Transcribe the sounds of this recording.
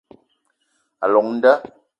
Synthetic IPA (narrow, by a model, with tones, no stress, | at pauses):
a̰˨lɔ˨ŋ̚n̩˦da˦